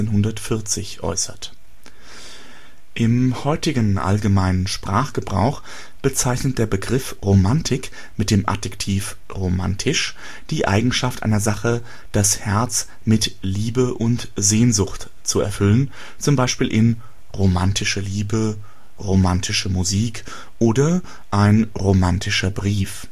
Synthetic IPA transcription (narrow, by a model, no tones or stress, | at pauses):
enɦʊndɐtfɪɐt͡sɪçʔɔ̰ʏsɐt | ʔɪmhɔʏtɪɡənʔa̰lɡəmaɪnənʃpʁ̥aːχɡ̥əbʁa̰ʊx | b̥ət͡saɪçnət̚d̥eːɐbəɡʁɪfʁomantʰɪk | mɪt̚d̥eːmʔa̰dɛktʰiːf | ʁoma̰ntʰɪʃ | d̥iːʔa̰ɪɡŋ̩ʃaftʔa̰ɪnɐzaχə | d̥ashɛɐt͡s | mɪtliːbəʔʊnt | zeːnzʊxt | t͡suɛ̰ɐfʏlən | t͡sʊmbaɪʃpiːlʔɪn | ʁomantʰɪʃəliːbə | ʁomantʰɪʃəmuziːk | ʔoːdɐ | ʔaɪnʁomantʰɪʃɐbʁiːf